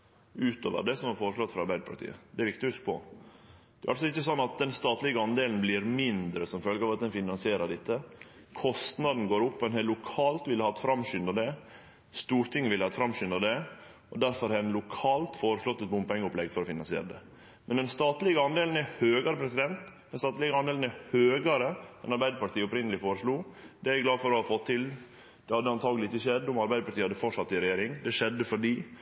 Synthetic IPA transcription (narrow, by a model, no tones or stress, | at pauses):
ʉːt̪o̰ːʋə̰ɖɛsɔmhɑɾfoːɾəʂɭɔt̪ːfɾɑɾbæɪd̪əpʰɑɾʈt̪ʰḭːə̰d̪ɛæɾʋɪkt̪ɪhʉskpʰɔ̰ | d̪ɛæɾʔɑlsɔɪçːəsɔnːɑt̪̚d̪ɛnst̪ɑːt̪lɪɡəɑnd̪eːln̩blɪɾmɪnd̪ɾəsɔmfœlɡəɾɑːʋɑt̪̚d̪ɛnfɪnɑnsɪeːɾəɖɛt̪ːə | kʰɔst̪nɑd̪n̩ɡoːɾʊpːɔɛnhɛllʊkʰɑːlt̪ʋɪlːəhɑːɛt̪fɾɑmʃʏnd̪əɖɛ | st̪uːɾt̪ʰɪŋəʋɪlɑːɛt̪fɾɑmʃʏnd̪əɖ̪ɛ | ɔd̪æɾfɔɾhɛnlʊkʰɑːlt̪foːɾəʂlɔt̪ːɛt̪̚bʊmpɛŋːəʊplɛɡfɔɾɔfɪnɑ̰nsɪḛːɾɖ̪ɛ̰ | mɛnd̪ɛnst̪ɑːt̪lɪɡəɑnd̪eːln̩æhøːɡɑɾəpʰɾɛsɪd̪ɛnt̪d̪ɛnst̪ɑːt̪lɪɡəɑnd̪eːlnæhøːɡɑɾəɛ̰nɑɾbæɪd̪əpɑʈʰiːɔpɾɪnəlɪfoːɾəʂɭuːd̪ɛæɾɪɡlɑːfɔɾɔhɑfɔt̪ʰːɪl | d̪̥ɛhɑd̪əɑnt̪ʰɑːɡlɪɪçəʃɛd̪ːʊmɑɾbæɪd̪əpʰɑʈ̪ʰiːhɑd̪əfɔʂɑt̪ːɪɾɛjeːɾɪŋd̪ɛʂɛd̪ːəfɔɖiː